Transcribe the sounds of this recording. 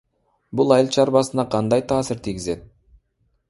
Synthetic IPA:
bulˠɑjɪlˠt͡ʃʰɑɾbɑsɯnɑqʰɑnd̪ɑjt̪ʰɑːsɪɾt̪ʰiɡʲɪze̞t̪̚

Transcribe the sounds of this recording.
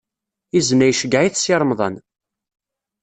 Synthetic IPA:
iznæjʃəɡaʕiθsiɾˤmðˤɑ̰n

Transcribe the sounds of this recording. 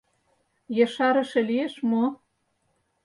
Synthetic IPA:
jɤʃɑɾɤ̆ʃĕlieʃmo

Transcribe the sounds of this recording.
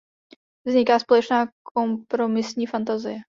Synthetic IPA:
vzɲɪkaːspo̞lɛt͡ʃnaːkʰompɾo̞mɪsɲiːfant̪azɪjɛ

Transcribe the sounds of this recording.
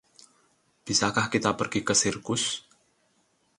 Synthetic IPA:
b̥i̤sakahkit̪apərɡ̥ikəsirkʊs

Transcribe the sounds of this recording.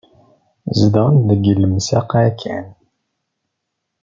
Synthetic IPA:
zd̪ənðəɡəlːəmsæqækʰːæ̰n

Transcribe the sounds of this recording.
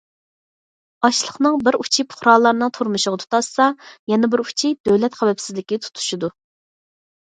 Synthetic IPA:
ɑʃlˠəχnɨŋbɪɾut͡ʃʰipʰʊ̥χɾɑlˠːɑɾnɨŋt̪ʰuɾmuʃʊʁɑt̪ʰu̥t̪ɑsːɑjɛnɛbɪɾu̥t͡ʃʰid̪̥øwlɛt̪χæwɛpsɪzlɪkʲit̪ʰu̥t̪ʰu̥ʃud̪u

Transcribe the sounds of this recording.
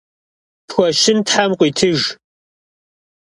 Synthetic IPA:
pxʷɔʃɪntħamqʷiːtʰɨʒ

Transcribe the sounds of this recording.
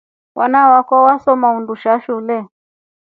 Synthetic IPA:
wʔa̰nawakɔwasɔmaunduʃaʃulɛ

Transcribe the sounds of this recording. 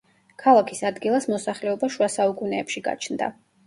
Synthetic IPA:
kʰalˠakʰisad̪ɡilˠasmɔsaχlɛɔbaʃuasaukʼunɛːpʃiɡa̰t͡ʃʰnd̪a̰

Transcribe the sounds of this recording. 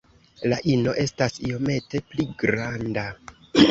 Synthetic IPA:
laʔino̞ʔe̞stasio̞me̞te̞pliɡɾanda

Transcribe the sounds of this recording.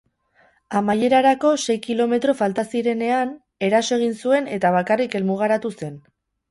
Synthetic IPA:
amaje̞ɾaɾako̞se̞jkilo̞me̞t̪ɾo̞falt̪asiɾe̞ne̞an | e̞ɾaso̞e̞ɣ̞insue̞ne̞t̪aβ̞akarike̞lmuɣ̞aɾat̪use̞n

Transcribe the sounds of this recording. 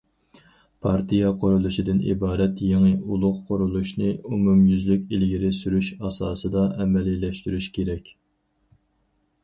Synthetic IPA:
pʰɑɾt̪ʰijɑqʰʊɾulˠuʃid̪ɪnʔḭbɑːɾɛt̪jeŋɨulˠʊqqʰːoɾulˠuʃnɨumumjyzlykʲilɡʲiɾɪsyɾyʃɑsɑːsɨd̪ɑʔɛmɛlːilːɛʃt̪yɾyʃkʲʰeɾɛkʲ

